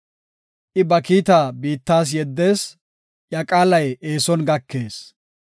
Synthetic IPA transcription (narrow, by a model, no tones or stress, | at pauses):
ʔɪbɐkiːt̪aːbiːt̪ːaːs̬jɛd̪ːe̞ːs | jɐkʼaːlɐje̞ːsɔnɡɐkːe̞ːs